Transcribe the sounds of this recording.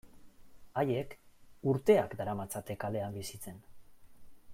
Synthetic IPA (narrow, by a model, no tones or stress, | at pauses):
aje̞kuɾt̪e̞akd̪aɾamat͡sat̪e̞kale̞ambisit͡se̞n